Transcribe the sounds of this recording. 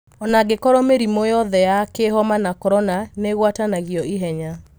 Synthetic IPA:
ɔnaɡekɔɾɔmeɾimɔjɔðɛjakeɦɔmanakɔɾɔnaneɣwatanaɣiɔiɦɛɲa

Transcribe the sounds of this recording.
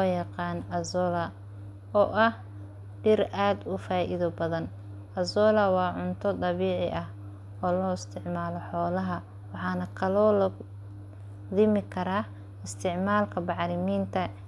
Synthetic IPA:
ɔjɐqɑːnɐzɔːlɐ | ɔːʔɐh | ɖɪrʔaːd̪ʊfaːʔɪðɔbɐðɐn | ɐzɔːlɐwɑːʕʊnt̪ʰɔd̪ɐβiːʕɪʔɐh | ɔːlɔːɪst̪ʰɪʕmaːlɔħɔːlɐɦɐ | wɑħɑːnɐkʰɐlɔːlɐ | d̪ɪmɪkʰɐɾaː | ɪst̪ʰɪʕmaːlkʰɐbɑʕɾɪmiːnt̪ʰɐ

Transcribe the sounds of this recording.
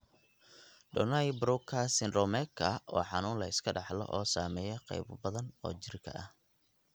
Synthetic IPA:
ɖɔnɐjbɾʊkʰɐsɪnrɔmɛkʰɐʔɔːħɑnuːnlɐɪskʰɐɖɑħlɔ̰ʔɔːsaːmɛːjɔqɛ̰jbbɐðɐnɔːt͡ʃɪrkʰɐ̰ʔɐh

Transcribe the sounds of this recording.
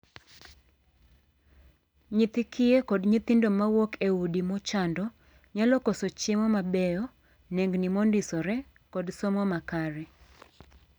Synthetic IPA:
ɲɪt̪ɪkʰɪekɔdɲit̪indomawokʰeudimɔt͡ʃandɔ | ɲalɔkosot͡ʃɪmɔmabɛjɔ | nɛŋɡnimondɪsɔɾɛ | kɔdsɔmɔmakaɾɛ

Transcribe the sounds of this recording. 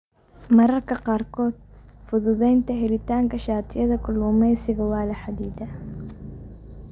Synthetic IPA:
mɐɾɐrkʰɐqɑːrkʰɔːd̪̥̚fʊðʊðɛjnt̪ʰɐɦɛlɪt̪ʰaːŋkʰɐʃaːt̪ʰɪjɐðɐkʰʊlʊːmɛjsɪɣɐwɑːlɐħad̪iːd̪ɐ

